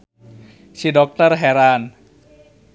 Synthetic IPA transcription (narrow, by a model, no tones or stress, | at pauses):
sidɔk̚t̪ərɦɛɾan